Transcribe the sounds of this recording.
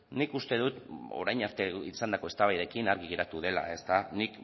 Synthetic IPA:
nikust̪e̞ðut̪o̰ɾajɲaɾt̪e̞isand̪ako̞e̞st̪aβajðe̞kinaɾɣiɣiɾat̪uð̞e̞la̰e̞st̪anik

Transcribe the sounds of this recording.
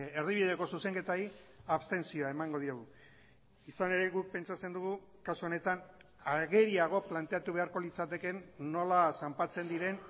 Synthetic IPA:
erðiβiðeko̞suse̞ŋke̞t̪aɾiaβst̪e̞nsio̞ae̞maŋɡo̞ðiɾoɣu | isane̞ɾe̞ɣuk̚pe̞nt͡sat͡se̞nd̪uɣu | kasuo̞ne̞t̪an | aɣe̞ɾiaɣ̞o̞plant̪e̞at̪uβ̞e̞aɾko̞lit͡sat̪e̞ke̞nːo̞lasampat͡se̞nd̪iɾe̞n

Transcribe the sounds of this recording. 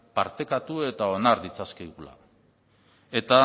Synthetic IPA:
paɾt̪e̞kat̪ue̞t̪ao̞naɾd̪it͡saskeɣula̰ | e̞t̪a

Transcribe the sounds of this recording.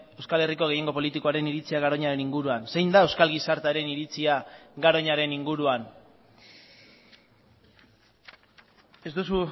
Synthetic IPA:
e̞wskale̞riko̞ɣ̞e̞je̞ŋɡo̞po̞lit̪ikoaɾe̞niɾit͡siaɣ̞aɾo̞ɲaɾe̞niŋɡuɾuanse̞jnd̪ae̞wskalɣisaɾt̪aɾe̞niɾit͡siaɣaɾo̞ɲaɾe̞niŋɡuɾuan | e̞zd̪usu

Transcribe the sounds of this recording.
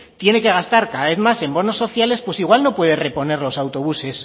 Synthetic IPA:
t̪je̞ne̞keɣ̞ast̪aɾkaðaβe̞θmase̞mbo̞no̞sːo̞θjale̞spwe̞siɣ̞walno̞pwe̞ðe̞re̞po̞ne̞ɾlo̞sawt̪o̞β̞use̞s

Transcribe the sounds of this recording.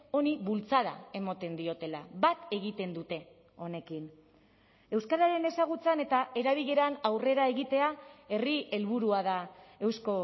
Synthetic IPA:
o̞niβult͡saða̰e̞mot̪e̞nd̪io̞t̪e̞laβat̪e̞ɣ̞it̪e̞nd̪ut̪e̞ | o̞ne̞kin | e̞wskaɾaɾe̞ne̞saɣ̞ut͡sane̞t̪aʔe̞ɾaβ̞iʎe̞ɾanawre̞ɾae̞ɣit̪e̞ae̞rie̞lβuɾuaðae̞wsko̞

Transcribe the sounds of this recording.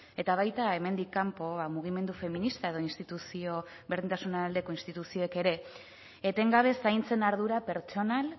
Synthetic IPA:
e̞t̪aβ̞ajt̪ae̞me̞nd̪ikːampo̞βamuɣ̞ime̞nd̪ufe̞minist̪ae̞ð̞o̞inst̪it̪usio̞ | βɾðint̪asunaald̪e̞ko̞inst̪it̪usio̞eke̞ɾe̞ː | t̪e̞ŋɡaβ̞e̞sajnt͡se̞naɾðuɾape̞ɾt͡ʃo̞nal

